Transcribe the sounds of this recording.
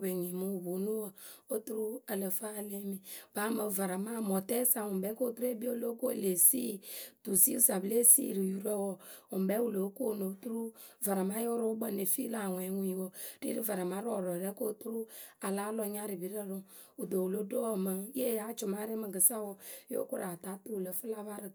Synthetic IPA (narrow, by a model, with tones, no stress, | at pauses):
be˨ɲi˨mu˦u˨bo˨nu˦wɔ˦˨o˦tu˦ɾu˦ə˨lə˨fa˦˨le˦mi˨ba˨˦mə˨va˨ɾa˨ma˦mɔ˨tɛ˦sa˨wʊ˨bɛ˨˦ko˦˨˦tu˦ɾe˦bi˦o˦lo˦ko˦˨le˨si˦tu˨si˦u˦sa˨ble˦sḭ˦˨ɾi˨ju˨ɾɛ˦wɔ˨u˨m˨bɛ˨˦wu˦˨lo˨˦ko˦˨no˨˦tu˦ɾu˦ | va˨ɾa˨ma˦jo˦ɾo˦bə˦ne˨fi˦la˨wɛ˨˦ŋu˦i˨wɔ˦ɾ̥ḭ˦ɾi˦va˨ɾa˨ma˨˦ɾɔ˨ɾɔ˨ɾɛ˦ko˦˨tu˦ɾu˦a˨la˦lɔ˧ɲa˦ɾi˨bi˦ɾə˦˨ɾʊ˦ | u˨do˨wu˨lo˦do˦wmə˨˦e˦˨ja˨˦t͡ʃʊ˨ma˦ɾe˦mə˨ɡə˨sa˦wɔ˦jo̰˦ku˦ɾa˨ta˨˦tu˦˨lə˨fə˦la˦va˦ɾə˨